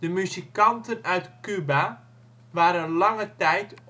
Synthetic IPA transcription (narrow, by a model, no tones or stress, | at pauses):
d̥əmyzikɑntənœɥtkyba | ʋaːɾənlɑŋətɛjt